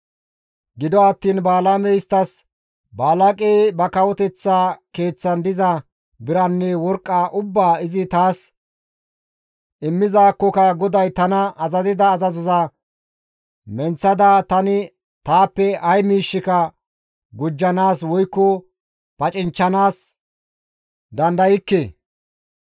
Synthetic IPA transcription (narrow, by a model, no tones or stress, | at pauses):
ɡɪd̪ɔɐt̪ːiːnbaːlamɛjɪst̪ːɐs | baːlɐkʼeːbɐkɐwɔt̪ɛt͡sːaːke̞ːt͡sːɐnd̪ɪzɐ | bɪɾɐnːɛwɔɾkʼːaːʔʊbːaːɪzɪt̪aːs | ʔɪmːɪzaːkːɔkɐɡɔd̪ɐjt̪ɐnɐɐzɐzɪd̪ɐːzɐzɔzɐ | mɛnt͡sːɐd̪at̪ɐnɪ | t̪aːpːɛʔɐjmiːʃːɪkɐ | ɡʊd͡ʒːɐnaːswɔjkːɔ | pɐt͡ʃʼɪnt͡ʃːɐnaːs | d̪ɐnd̪ɐjɪkːe